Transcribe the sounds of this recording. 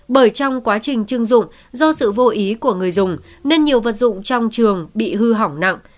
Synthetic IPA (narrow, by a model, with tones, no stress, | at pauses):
ɓəː˧˩jt͡ɕɔ˧wŋ͡mkwaː˨˦t͡ɕï˨˩ŋ̟t͡ɕɨ˧əŋzʊ̰˧˨ŋ͡m | zɔ˧sɨ̰˧˨vo˧ʔi˨˦ku˧˩əŋɨ˨˩əjzʊ˨˩ŋ͡m | ne˧nɲi˨˩əwvə˨˩t̚zʊ̰˧˨ŋ͡mt͡ɕɔ˧wŋ͡mt͡ɕɨ˨˩əŋɓḭ˧˨ɦɨ˧ɦa˧˩wna̰˧˨ŋʔ